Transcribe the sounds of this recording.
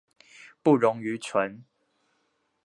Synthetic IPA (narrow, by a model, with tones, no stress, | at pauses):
pu˥˨ɻʊ˨˦ŋy˨˦t͡sʰwə˨˦n